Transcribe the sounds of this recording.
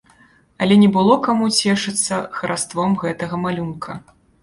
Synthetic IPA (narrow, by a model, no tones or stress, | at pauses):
ɐlʲɛnʲɛbɨlˠɔkamut͡sʲɛʂɨt̪sːɐxɐɾast̪vɔmɣɛt̪ɐɣɐmalʲunkʰɐ